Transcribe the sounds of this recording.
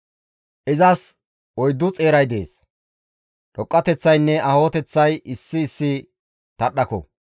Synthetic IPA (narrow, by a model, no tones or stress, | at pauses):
ʔɪzɐs | ɔjd̪ːʊt͡sʼe̞ːɾɐjd̪e̞̰ːs | ᶑɔkʼːɐt̪ɛt͡sːɐjnːɛɐho̞ːt̪ɛt͡sːɐjʔɪsːɪːsːɪ | t̪ɐɗːɐkɔ̰